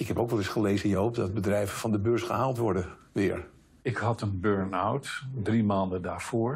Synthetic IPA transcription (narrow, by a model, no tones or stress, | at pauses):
ɪkɦɛpowkʋɛlˠɪsχəlejzənjəɦowp̚dɑd̚bədrɛjvəvɑndəbøːɹsχəɦaːlˠtʋɔɹdəʋɪːɹ | ɪkhɑtənbøɹnawtdrimaːndədaːɹv̥oːɹ